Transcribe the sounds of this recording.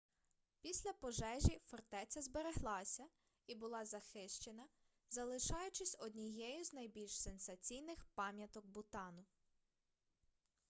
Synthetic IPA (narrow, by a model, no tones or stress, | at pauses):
pʲisʲlʲɐpɔʒɛʒʲifɔrt̪ɛt͡sʲɐzbeɾeɦlˠɑsʲɐ | ibʊlˠɑzɐxɪʃt͡ʃenɐ | zɐlˠɪʃɑjʊt͡ʃɪsʲɔd̪ʲnʲijɛjʊznɐjbʲilʲʃsensɐt͡sʲijnɪxpɑmʲjɐt̪ɔɡ̚bʊt̪ɑnʊ